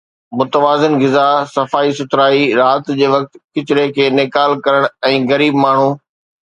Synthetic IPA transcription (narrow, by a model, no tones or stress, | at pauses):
mʊt̪əʋaːzɪnɣɪzaːsɐfaːisʊt̪ɾaːiɾaːt̪d͡ʑeːʋɐk̚t̪kɪt͡ɕɪɽekʰeːnɪkaːlkɐɾəɽ̃ɛ̃ːɣɐɾiːbmaːɳ̤uː